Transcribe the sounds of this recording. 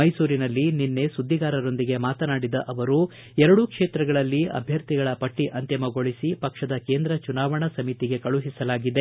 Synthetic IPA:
mɐjsuːɾinɐlːininːe̞sud̪ʱːiɡaːɾɐɾo̞nd̪iɡe̞maːt̪ɐnaːɽid̪ɐʔɐʋɐɾu | ɛɾɐɽukʂeːt̪ɾɐɡɐɭɐlːiɐ̰bʱjɐɾt̪iɡɐɭɐpɐʈːiʔɐnt̪jɐmɐɡo̞ɭisipɐkʂɐd̪ɐke̞ːnd̪ɾɐt͡ʃunaːʋɐɳɐsɐmit̪iɡe̞kɐɭuɦisɐlaːɡid̪e̞

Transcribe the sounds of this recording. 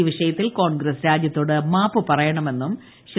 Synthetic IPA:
iʋiʂɐjɐt̪ːilko̞ːɳɡɾɐsɾaːd̪jɐt̪ːoːɽɨmaːpːɨpɐrɐjɐɳɐme̞nːum | ɕ

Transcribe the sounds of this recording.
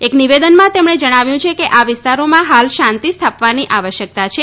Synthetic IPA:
ekniʋed̪ənmãt̪emɽ̃ed͡ʒəɽ̃aʋjũt͡ʃʰekeʔaʋɪst̪aɾomãɦalʃãnt̪ist̪ʰapʋaniʔaʋəʃjək̚t̪at͡ʃʰe

